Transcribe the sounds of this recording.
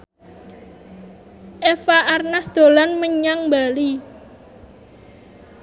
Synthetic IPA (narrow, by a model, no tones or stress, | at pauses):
ʔɛfaʔarnasd̪̥o̤lanməɲaŋbali